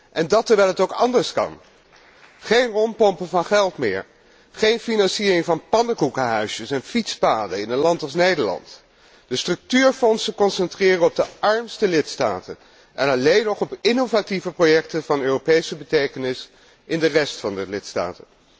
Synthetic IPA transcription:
ʔɛndɑtəɹʋɛlˠɦətowkɑndəɹskɑ̰n | χejnrɔmpɔmpəvɑnχɛlˠtmɪːɹ | χejnfinɑnsiːrɪŋvɑnpɑndəkukəɦœɥsəsɛnfitspaːdəɪnətlɑntɑlˠsnejdəɹlɑ̰nt | d̥əstrɵk̚tyːɹfɔnsəkɔnsɛntrɪːrənɔb̚dəʔɑɹmstəlɪtsta̰ːtə̰n | ʔɛnɑlejnɔχɔpɪnovativəprojɛk̚təvɑnøːropejsəbətejkənɪs | ʔɪndərɛstfɑndəlɪtsta̰ːtən

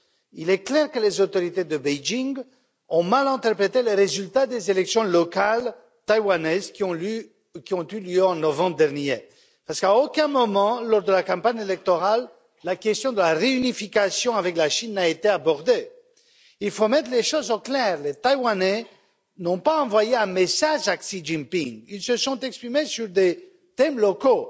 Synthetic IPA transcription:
ilɛklɛʁkəlezot̪ɔʁit̪ed̪əbɛjd͡ʒiŋɡ | ɔ̃malɛ̃t̪ɛʁpχet̪eleʁezylt̪ad̪ezelɛksjɔ̃lɔkal | t̪ajwanɛzkɔ̃ | kʲiɔ̃t̪yljøɑ̃nɔvɑ̃bʁd̪ɛʁnje | paʁsə̥kaokɛ̃mɔmɑ̃lɔʁd̪əlakɑ̃paɲelɛk̚t̪ɔʁalː | akʲɛst̪jɔ̃d̪əlaʁeynifikasjɔ̃avɛklaʃinːaet̪eabɔʁd̪e | ilfomɛt̪χəleʃozɑ̃klɛʁlet̪ajwanɛ | nɔ̃paɑ̃vwajeɛ̃mesaʒaksiʒĩmpiŋilsəsɔ̃t̪ɛkspχimesyʁd̪e | t̪ɛmlɔko

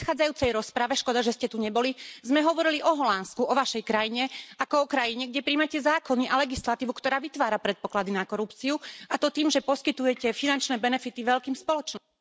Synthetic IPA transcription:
t̪xaːd͡zajuːt͡sɛjɾɔspɾaʋɛʃkɔd̪aʒɛscɛt̪uɲɛbɔlizmɛɦɔʋɔɾiliʔɔɦɔlanskuʔɔʋaʃɛjkɾajiɲɛakɔɔkɾajiɲɛɡɟɛpɾiːmacɛzaːkɔniʔalɛɡislat̪iːʋukt̪ɔɾaːʋit̪ʋaːɾapɾɛt̪̚pɔklad̪inakɔɾupt͡siuat̪ɔt̪iːmʒɛpɔskit̪ujɛcɛfinant͡ʃnɛːbɛnɛfit̪iʋɛʎkiːmspɔlɔt͡ʃn

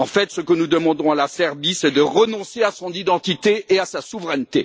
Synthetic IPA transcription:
ɑ̃fɛt̪səkənud̪əmɑ̃d̪ɔ̃alasɛʁbisɛd̪əʁənɔ̃seasɔ̃nid̪ɑ̃t̪it̪eeasasuvʁɛnt̪e

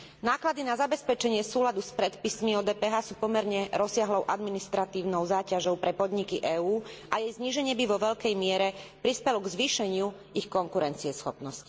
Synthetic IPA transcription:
naːklad̪inazabɛspɛt͡ʃɛɲɪɛsuːlad̪uspɾɛt̪pismiɔːd̪ɛːpɛːɦaːsuːpɔmɛɾɲɛɾɔsɪaɦlɔʊʔad̪minist̪ɾat̪iːʊnɔʊzaːcaʒɔʊpɾɛpɔd̪ɲikiʔɛːuːʔajɛjzɲiːʒɛɲɪɛbiʋɔʋɛʎkɛjmɪɛɾɛpɾispɛlɔɡzʋiːʃɛɲɪu | ixkɔŋkuɾɛnt͡siɛsxɔpnɔsci̥

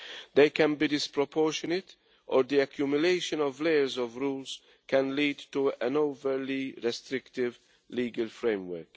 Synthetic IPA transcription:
d̪eɪkæ̃nbidɪspɹɔpʰɔːɹʃɔnɪt | ʔɔɾd̪iakʰjumjʊleɪʃə̃nɔvleɪəɹzɔvɹuːlz̥ | kʰæ̃nliːdtuə̃noʊvəɾliɹɛst̪ɾɪktɪv | liːɡəlfɹẽɪ̃mwə˞k

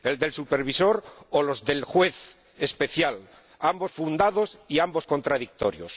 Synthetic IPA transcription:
e̞ld̪e̞lsupe̞ɾβ̞iso̞ɾolo̞zðe̞lxwe̞θ | espe̞θjal | ambo̞sfund̪að̞o̞siambo̞sko̞nt̪ɾaðik̚t̪o̞ɾjo̰s

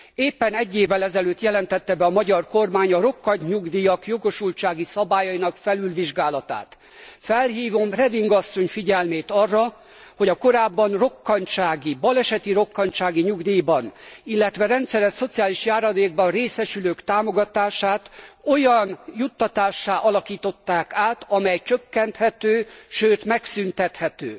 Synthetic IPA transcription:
eːpːɛnɛɟːeːvːɛlɛzɛløːt̪jɛlɛnt̪ɛt̪ːɛbɛɒmɒɟɒrko̞rmaːɲɒɾo̞kːɒɲɲuɡd̪iːjɒkjo̞ɡo̞ʃult͡ʃaːɡisɒbaːjɒinɒkfɛlylʋiʒɡaːlɒt̪a̰ːt̪ | fɛlɦiːvo̞mrɛd̪iŋɡɒsːo̞ɲfiɟɛlmeːt̪ɒrːɒ | ho̞ɟɒko̞ɾaːbːɒnro̞kːɒɲt͡ʃaːɡibɒlɛʃɛt̪iɾo̞kːɒɲt͡ʃaːɡiɲuɡd̪iːbɒnilːɛt̪ʋɛɾɛnt̪sɛɾɛʃso̞t̪sijaːliʃjaːɾɒd̪eːɡ̚bɒreːsɛʃyløːkt̪aːmo̞ɡɒt̪aːʃaːt̪o̞jɒnjut̪ːɒt̪aːʃːaːʔɒlɒkiːt̪o̞t̪ːaːkaːt̪ɒmɛjt͡ʃøkːɛnt̪hɛt̪øːʃøːt̪mɛksynt̪ɛt̪hɛt̪ø̰ː

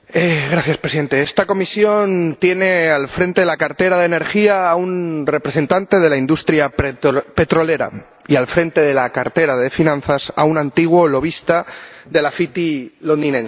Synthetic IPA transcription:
eɣɾaθjaspɾesiðe̞nt̪eest̪ako̞misjo̞nt̪je̞ne̞alfɾe̞nt̪eelakaɾt̪e̞ɾaðe̞ne̞ɾxiaːunre̞pɾe̞se̞nt̪ant̪e̞ð̞e̞laind̪ust̪ɾjape̞t̪ɾole̞ɾa̰ | ialfɾe̞nt̪e̞ðe̞lakaɾt̪e̞ɾaðe̞finãnθasa̰unãnt̪iɣ̞wo̞lo̞β̞ist̪a | ðe̞lafit̪ilo̞nd̪inẽ̞ns

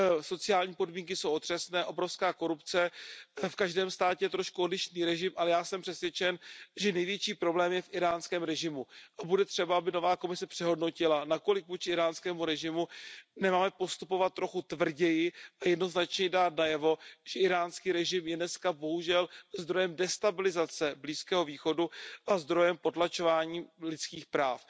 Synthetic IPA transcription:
so̞t͡sɪaːlɲiːpo̞dmiːŋk̬ɪsowo̞t̪r̥ɛsnɛːʔobɾofskaːko̞ɾupt͡sɛfkaʒdɛːmst̪aːcɛjɛt̪ɾo̞ʃkuodlɪʃniːɾɛʒɪmʔalɛjaːsɛmpr̥ɛsvjɛt͡ʃɛnʒɛnɛjvjɛt͡ʃiːpɾo̞blɛːmjɛfʔɪɾaːnskɛːmɾɛʒɪmuʔabudɛt̪r̝̥ɛbaabɪno̞vaːko̞mɪsɛpr̝̥ɛɦo̞dno̞cɪlanako̞lɪk̚vut͡ʃɪɪɾaːnskɛːmuɾɛʒɪmunɛmaːmɛpo̞st̪upo̞vat̪̚ːɾo̞xut̪vr̩ɟɛjɪʔajɛdno̞znat͡ʃɲɛdaːt̪najɛvo̞ʒ̥ɛɪɾaːnskiːɾɛʒɪmjɛnɛskabo̞ɦuʒɛlzd̪ɾo̞jɛmdɛst̪abɪlɪzat͡sɛbliːskɛːɦo̞viːxo̞duʔazd̪ɾo̞jɛmpo̞t̪lat͡ʃo̞vaːɲiːlɪt͡skiːxpɾaːf

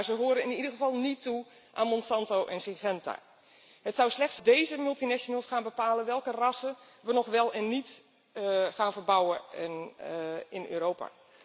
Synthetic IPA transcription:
aɹzəɦoːɾəɪnidərɣəvɑlˠnitʰːu | ʔaːnmɔnsɑntowʔɛnsɪɣɛnta̰ | ɦətsawslɛxtsdejzəmylˠtinɛʃonəlˠsxaːnbəpaːləʋɛlˠkərɑsə | ʋənɔxʋɛlˠɛnːit | xaːnvərbawə | ɪnø̰ːɾoːpa̰

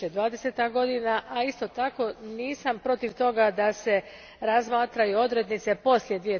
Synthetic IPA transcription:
ed̪ʋaːd̪ese̞t̪aɡo̞d̪inaʔaist̪o̞t̪ako̞niːsampɾo̞t̪iʋt̪o̞ɡad̪ase̞ | ɾazmaːt̪ɾajuo̞d̪ɾed̪nit̪se̞po̞slje̞d̪ʋije̞

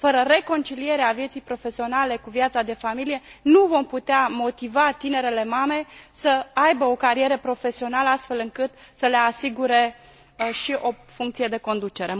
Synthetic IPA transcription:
fəɾəre̞ko̞nt͡ʃilije̞ɾeavje̞t̪sijpɾo̞fe̞sio̞nale̞kuvjat̪sad̪e̞familije̞nuvo̞mput̪eamo̞t̪ivat̪ine̞ɾele̞mame̞səajbəo̞kaɾie̞ɾəpɾo̞fe̞sio̞naləast̪fe̞lɨŋkɨt̪səle̞asiɡuɾe̞ | ʃiʔo̞fuŋkt̪sije̞d̪e̞ko̞nd̪ut͡ʃe̞ɾe̞

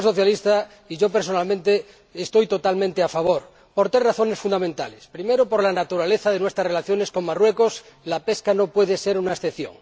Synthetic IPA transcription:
so̞θjalist̪a | iʝo̞peɾs̬o̞nalmẽnt̪eː | st̪o̞jt̪o̞t̪almẽnt̪eafaβ̞o̞ɾ | po̞ɾt̪ɾezraθo̞nesfund̪amẽnt̪alespɾime̞ɾopo̞ɾlanat̪uɾale̞θaðe̞nwe̞st̪ɾasrelaθjo̞ne̞sko̞ŋmarwe̞koslape̞skano̞pwe̞ð̞ese̞ɾunaesθeθjo̰ŋ

